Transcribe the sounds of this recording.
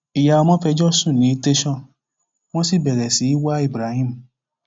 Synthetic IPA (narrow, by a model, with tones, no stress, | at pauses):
i˨ja˧ɔ˧mɔ̃˦fɛ˧d͡ʒɔ˦sũ˦˨nĩ˨˦te˦ʃɔ̃˦˨ | w̃ɔ̃˦si˦˨bɛ˨ɾɛ˨si˨˦i˦wa˦i˦˨bɾa˨˦hĩ˦m̩˨